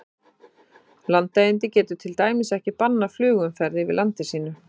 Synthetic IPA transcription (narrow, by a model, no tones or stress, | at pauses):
lant̪ːajɪnt̪ɪcɛːt̪ʏt̪ʰɪlt̪aːjmɪsɛhcɪpanːaflʏːɣʏmfɛɾðɪvɪ̰lant̪ɪsiːnʏ